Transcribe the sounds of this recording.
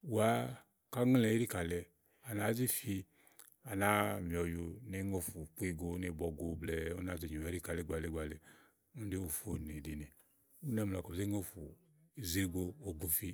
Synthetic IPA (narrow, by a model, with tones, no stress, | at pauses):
wa˦ | ka˦ŋ˦lɛ˧˨˦ɾi˦ka˨lɛ˧ | a˨na˨˦zi˦fi˧ | a˨na˦m˨ɔ˨ju˧˦ne˦ŋo˦˧fu˨k͡pu˦i˧ɡo˧˦ne˧˨bɔ˨ɡo˨blɛ˨o˦na˨ze˨ɲ˨o˨ɛ˨˦ɾi˦ka˨lɛ˨˦ɡ͡ba˨lɛ˦˨ɡ͡ba˨lɛ˨ | u˦de˦o˨fo˨ne˨di˨nɛ˨ | u˦nɛ˦m˨la˨kɔ˨ze˦ŋo˦fu˨ | i˨zi˦ɡo˧o˨ɡo˨fi˧